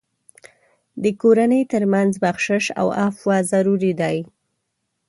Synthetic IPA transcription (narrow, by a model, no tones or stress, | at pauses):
d̪əkoɾanəjt̪əɾmanzbaxʃɪʃa̰wafwɑzaɾuɾid̪aj